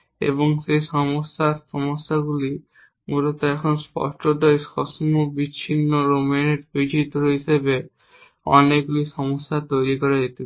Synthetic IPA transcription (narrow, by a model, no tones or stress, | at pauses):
ḛβoŋsejʃɔmosːaɾsɔmosːaɡuli | muɾot̪ɛkʰonspɔ̰sʈodɔjskɔsŋobit͡ɕːʰinːoɾomeneɾpid͡ʒʰit̪oɾoɦisebe | ɔ̰neɡuliʃɔmosːat̪ojɾikɔɾad͡ʑet̪iba